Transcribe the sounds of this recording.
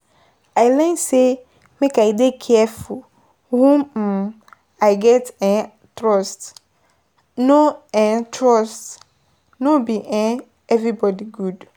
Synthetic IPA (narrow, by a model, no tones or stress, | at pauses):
alɛ̃nse | mẽkʰaidekʰɛɛfʊl | hũm̩ | aɪɡɛtɛ̃n | tʰɾɔst | nõɛ̃ntʰɾɔst | nõbiʔɛ̃ | ɛvɾibɔdiɡud